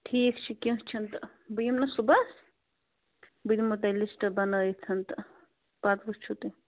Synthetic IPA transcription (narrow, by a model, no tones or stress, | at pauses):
ʈʰiːkt͡ʃʰikĩɦt͡ʃʰɐnt̪ | bujimnɐsubɐs | bud̪imut̪̬ɐlisʈbɐnəjt͡sʰɐnt̪ | pat̪bust͡ʃʰut̪i